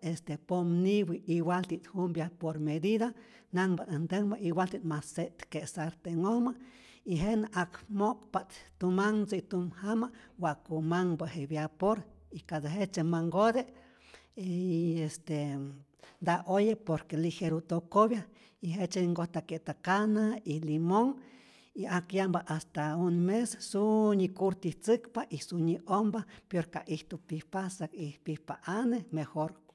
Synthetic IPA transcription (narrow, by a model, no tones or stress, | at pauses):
est̪epomniwiiwalt̪it̪humbjapoɾmed̪iða | naŋbanant̪eŋbaʔiwʷalt̪it̪maseʔt̪kesaɾt̪eŋoma | iɦenʔakmokpat̪t̪umaŋt͡seit̪umhamawakumaŋbahebjapoɾikaðaɦet͡ʃemaŋɡod̪e | iest̪e | nd̪aʔojepoɾkeliheɾut̪okoβja | iɦet͡ʃeŋɡoht̪akeʔt̪akanailimoŋ | iakjambaʔast̪aunmessuɲikuɾt̪iht͡sɨkpaʔisuɲiʔombapoɾkaʔiht̪upihpasakihpihpaʔanemexoɾ